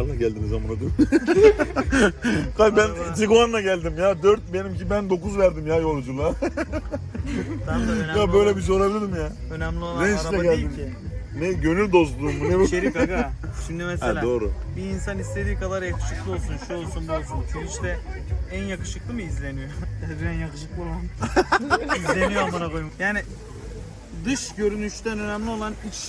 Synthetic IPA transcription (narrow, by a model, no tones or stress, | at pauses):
aɾlˠaɟælʲd̪imizamanad̪ønd̪y | kʰajbænd͡ʒiɡuanːaɟælʲd̪imjaːd̪øɾt̪̚benimcibænd̪o̞kuzvæɾd̪imjaːjo̞lˠd͡ʒulˠa | ajabø̞jlʲɛbiz̬o̞ɾabilʲiɾimja | ønæmlʲioɾɛnlʲɛɡælʲii | nɛɟø̞nylʲd̪o̞zd̪ˠuːmːunebʃeikɡa | ʃimd̪ymɛselʲad̪o̞ːɾubiːnsanist̪ʰe̞d̪iːkʰad̪aɾjakʰɯ̥ʃɯ̥klˠɯo̞lˠsunʃuolˠsunbazɯmʰyniʃt̪ɛ | ænjakɯ̥ʃɯklˠɯmɯizlʲe̞nijoɛd̪iænjakɯʃɯklˠɯolˠan | izlʲenijobanakojmukjaːnɪ | d̪ɯʃɟø̞ɾynyʃt̪ʰænø̞næmlʲio̞lˠanit͡ʃ